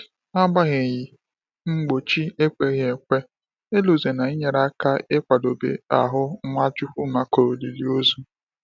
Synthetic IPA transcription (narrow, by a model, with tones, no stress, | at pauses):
a˦ɡ͡ba˦ɣe˨ji˨ | ŋ͡m̩˦ɡ͡bo˨t͡ʃi˦e˦kʷe˦ɣe˨kʷe˦ | e˦lu˨ze˨na˨i˦ɲe˨ɾa˦ka˦e˦kʷa˨do˨bḛ˨a̰˨ɦʊ˦ŋʷa˦d͡ʒʊ˦ɸu˦ma˨ko˨o˨li˨li˨o˦zu˦